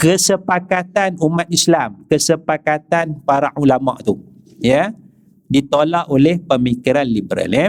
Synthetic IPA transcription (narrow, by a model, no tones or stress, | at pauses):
kəsəpakat̪anumãt̪̚islamkəsəpakat̪anfaɾaʔulama̰ʔt̪u | jə | dit̪olaʔolɛhpəmikiɾanlibəɾa̰lɛ